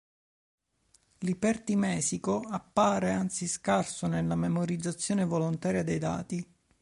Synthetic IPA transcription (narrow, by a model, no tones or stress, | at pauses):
lipɛrt̪imɛːsikoapːaːɾeant̪siskarsonelːamemoɾid̪zːat̪sːjoːnevolont̪aːɾjad̪ejd̪a̰ːt̪i